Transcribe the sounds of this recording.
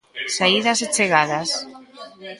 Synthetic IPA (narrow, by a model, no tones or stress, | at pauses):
saiðaset͡ʃeɣaðas